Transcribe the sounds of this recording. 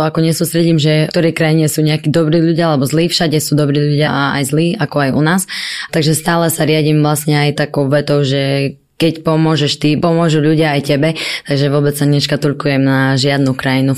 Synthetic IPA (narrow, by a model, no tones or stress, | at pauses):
ɔakɔɲɛsuːst̪ɾɛɟiːmʒɛt̪ɔɾɛjkɾajiɲɛsuːɲɛakiːd̪ɔbɾiːʎuɟɪaalɛbɔzliːfʃaɟɛsuːd̪ɔbɾiːʎuɟɪaa̰jzliːakɔajṵnaːst̪aɡʒɛst̪aːlɛsaɾɪaɟiːmʋlasɲɛajt̪akɔʊʋɛt̪ɔʊʒɛ | kɛcpɔmʊɔʒɛʃt̪ipɔmʊɔʒuːʎuɟɪaajcɛbɛt̪aɡʒɛʋʊɔbɛt͡ssaɲɛʃkat̪uʎkujɛmnaʒɪad̪nukɾajinu